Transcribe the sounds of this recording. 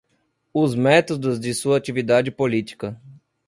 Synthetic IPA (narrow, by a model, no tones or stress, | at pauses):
ʊzmɛt̪od̪ʊzd͡ʒ̪ɪsuɐːt͡ʃ̪ivid̪ad͡ʒɪpolit̪i̥kɐ